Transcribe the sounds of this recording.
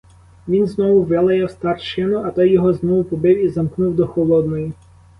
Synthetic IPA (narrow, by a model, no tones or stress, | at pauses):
ʋʲinznɔʋʊʋɪlˠɐjɛwst̪ɑrʃɪnʊɐt̪ɔjjɔɦɔznɔʋʊpɔbɪwizɐmknuwd̪ɔxɔlˠɔd̪nɔji